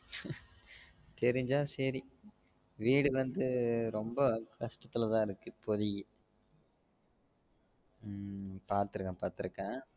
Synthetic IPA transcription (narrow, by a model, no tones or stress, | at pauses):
t̪ɛɾɪɲd͡ʒaːsɐɾi | ʋiːɽɯʋɐnd̪ɯɾɔmbɐkɐʂʈɐt̪ːɪlɐt̪ãːɪɾɯkːɯpɔðɪjɛ | paːɾt̪ɯɾɯkːɐ̃ːpaːɾt̪ɯɾɯkːẽː